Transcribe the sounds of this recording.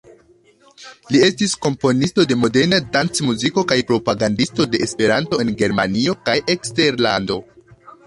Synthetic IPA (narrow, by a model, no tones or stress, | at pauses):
lie̞stisko̞mpo̞nisto̞de̞mo̞de̞ɾnadant͡smuziko̞kajpɾo̞paɡandisto̞de̞ʔespe̞ɾanto̞e̞nɡe̞ɾma̰nio̞kajʔe̞kste̞ɾla̰ndo̞